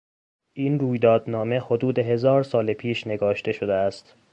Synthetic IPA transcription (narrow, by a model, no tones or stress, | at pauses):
ʔiːnruːjd̪ɒːd̪nɒːme̞ho̞d̪uːd̪e̞ɦe̞zɒːɾsɒːlepʰiːʃne̞ɡɒːʃt̪e̞ʃo̞d̪eæst̪